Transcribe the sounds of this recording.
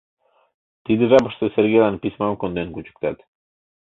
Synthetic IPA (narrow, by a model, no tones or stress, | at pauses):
t̪id̪irapəʃt̪eseɾɡelanpismamkond̪enkut͡ʃə̥k̚t̪at̪